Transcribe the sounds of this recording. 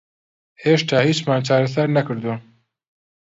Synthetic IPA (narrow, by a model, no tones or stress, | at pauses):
heːʃt̪aːhiːt͡ʃmaːnt͡ʃaːɾɐsaɾnɐkɨɾd̪u